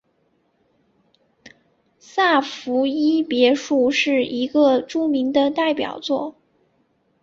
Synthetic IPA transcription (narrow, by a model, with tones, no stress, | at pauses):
sa˥˩fu˧˥i˥pjɛ˧˥ʂu˥˧ʂɻ̩˥˩i˧˥ɡə˧ʈ͡ʂu˥mi˧˥ŋd̪ə˧t̪a˥˩ɪpjɑ̰˨˩ʊt͡swɔ˥˩